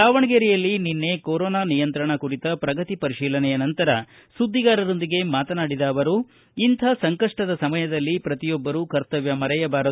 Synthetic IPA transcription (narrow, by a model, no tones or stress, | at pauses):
aːʋɐɳɐɡeɾijɐlːininːe̞koɾɔːnaːnijɐnt̪ɾɐɳɐkuɾit̪ɐpɾɐɡɐt̪ipɐɾiʃiːlɐnɛjɐnɐnt̪ɐɾɐ | sud̪ʱːiɡaːɾɐɾo̞nd̪iɡe̞maːt̪ɐnaːɽid̪ɐːʋɐɾu | int̪ʰɐsɐŋkɐʂʈɐd̪ɐsɐmɐjɐd̪ɐlːipɾɐt̪ijɔbːɐɾukɐɾt̪ɐʋjɐmɐɾɐjɐbaːɾɐ